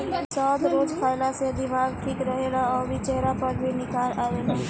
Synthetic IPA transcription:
sɔːd̪ɾoːd͡ʒkʰaːɪlased̪ɪmaːɡʈʰikɾəɦelaɔːɾbʱit͡ʃɛɦɾapəɾbʱinɪkaːlaːʋeːlã

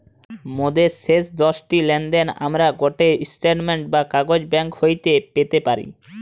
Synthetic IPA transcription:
mod̪esesd̪ɔʃʈilɛnɖ̪ena̰mɾaɡoʈeisʈeʈmeɳʈ̚bakaɡod͡ʑbɛŋkhojt̪epet̪epaɾḭ

